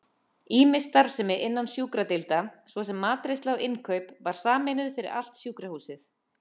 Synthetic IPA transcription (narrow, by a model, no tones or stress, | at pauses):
iːmɪst̪aɾv̥sɛmɪʔɪnːansjuːkɾat̪ɪlt̪asvɔsɛmːaːt̪ɾest̪lawɪnkʰœɥpvaɾ̥saːmɪnʏðfɪɾɪ̰ɾa̰l̥t̪sjuːkɾahuːsɪθ